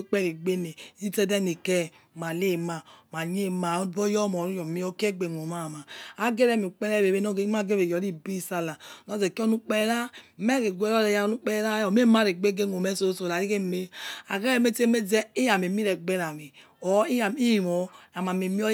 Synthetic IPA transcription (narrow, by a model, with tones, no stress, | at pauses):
k͡pɛ˦ɾi˨ɡ͡be˦ne˨˦zi˦tɛ˦dɛ˦ne˨kɛ˦ | ma˨le˦˨ma˨ma˨ɲ˦e˦˨ma˨˦bo˦jɔ˦mɔ˨ɾu˦jɔ˨mi˦ɔ˦ke˦ɡ͡be˨ŋ˨o˨ma˦˨ma˨a˦ɡe˦ɾɛ˦˨mi˨u˨k͡pɛ˦ɾɛ˦˨βe˨be˦no˦ɡe˦ma˦˨ɡe˦βe˨jɔ˨ɾi˦bi˦˨sa˦˨la˨nɔ˦ze˨ki˦ɔ˦nu˦k͡pe˦ɾa˦mɛ˦ke˨ɡʷe˦ɾɔ˦ɾɛ˨ja˦nu˦k͡pɛ˦ɾa˦ɔ˨m˦e˦ma˦ɾe˨ɡ͡be˦ɡe˦ŋ˨o˨me˦so˦so˨ɾa˨ɾi˦ke˦˨me˦a˨ɡe˦e˦˨me˦te˦me˦d͡zɛ˦e˦ja˨m˨e˨mi˦ɾɛ˨ɡ͡be˦ɾa˨mi˨ | ɔ˨i˦ja˨mi˦˨mɔ˨a˨ma˨me˨mi˦ɔ˦